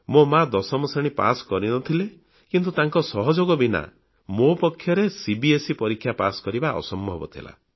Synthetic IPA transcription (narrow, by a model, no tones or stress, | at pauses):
momad̪ɔsɔmɔseɽ̃ipa̰sɔ̥kɔɾinɔt̪ʰile | kint̪ut̪aŋkɔsɔɦɔd͡ʒoɡɔbina̰ | mopɔkʰːjɔɾesibiesipɔɾikʰːjapa̰sɔ̥kɔɾibaʔɔ̰sɔmbʱɔbɔt̪ʰila̰